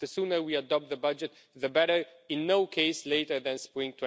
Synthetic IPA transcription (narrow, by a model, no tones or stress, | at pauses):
ðəsũnə˞wiadɔp̚t̪̚ðəbʌd͡ʒɨt̪ | ðəbɛɾə˞ɪ̃nːoʊkʰeɪsleɪɾə˞ðɛ̃nspɹɪ̃ŋtʰw̃